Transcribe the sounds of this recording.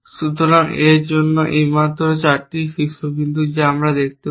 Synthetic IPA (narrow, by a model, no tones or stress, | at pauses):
ʃut̪oɾaŋeɾd͡ʑonːoʔimant̪oɾot͡ɕaɾʈiʃiʃobind̪ʱud͡ʑeamɾad̪ek̚ʰt̪e